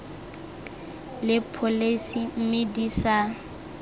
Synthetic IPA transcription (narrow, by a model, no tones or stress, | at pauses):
lɪpʰolesim̩medisa